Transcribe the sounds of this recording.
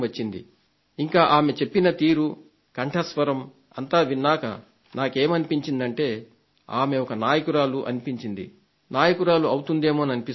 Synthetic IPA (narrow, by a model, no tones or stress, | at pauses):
ɐt͡ʃːind̪ḭ | iŋkaːʔaːme̞t͡ʃe̞pːinɐt̪iːɾu | kɐɳʈʰɐsʋɐɾɐm | ɐnt̪aːʋinːaːkɐ̰ | naːke̞ːmɐnipiɲt͡ʃind̪ɐɳʈe̞ː | aːme̞ɔkɐnaːjɐkuɾaːluʔɐ̰nipiɲt͡ʃind̪ḭ | naːjɐkuɾaːluɐwut̪und̪e̞ːmoːɐnɐnipis